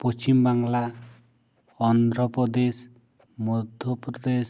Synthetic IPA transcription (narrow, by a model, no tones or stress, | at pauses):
pɔst͡ʃimbaŋla | ɔnd̪ɾɔpɾɔd̪es | mud̪ʱjɔpɾɔd̪es